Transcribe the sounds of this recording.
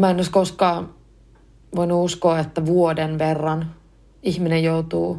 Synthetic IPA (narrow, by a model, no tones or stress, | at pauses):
mæenoiskoskɑː | ʋoinuuskoːet̪ːæʋuodenʋerːɑn | ihminejjout̪uː